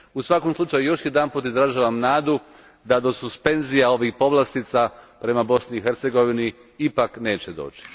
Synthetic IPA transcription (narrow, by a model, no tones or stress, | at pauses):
usʋako̞mslut͡ʃajujo̞ʃjed̪anpuːt̪izɾaʒaːʋamnaːd̪u | d̪ad̪o̞suspe̞nzijao̞ʋiːxpo̞ʋlˠast̪iːt̪sapɾe̞mabo̞sniːxe̞ɾt̪se̞ɡo̞ʋini | ipakne̞ːt͡ɕed̪o̞̰ːt͡ʃi̥